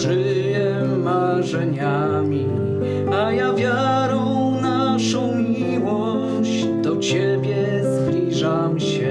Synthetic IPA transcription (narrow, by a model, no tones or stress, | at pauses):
ʐɘ | jɛ | ma | ʐɛɲa | mʲi | ajavʲja | ɾɔw | naʂɔ̃w̃mʲi | wɔ | ɕ | d̪ɔt͡ɕɛbʲjɛ | zblʲiʐamɕɛ